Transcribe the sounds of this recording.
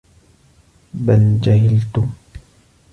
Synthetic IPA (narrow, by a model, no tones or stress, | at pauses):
bald͡ʒaɦɪlt̪ʊ